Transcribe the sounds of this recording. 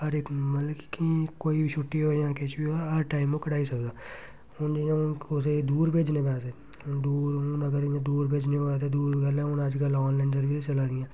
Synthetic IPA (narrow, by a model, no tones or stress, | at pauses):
ɐɾekmɐlkkikoːibʱiʃʊʈːiɦoejãːkeːt͡ʃbiɦoeɐɾʈaːɪmokɐɽaːisɐkd̪aː | ʊnd͡ʒijãʊnkos̬ed̪uːɾbʱeːd͡ʒnebaːt̪e | d̪uːɾʊnɐɡəɾjãd̪uːɾbʱeːd͡ʒneobat̪ed̪uːɾɡəlɛ̃ʊnaːd͡ʒɡəlɔːnlaɪnsɐɾbʱiset͡ʃɐlad̪ɪjãː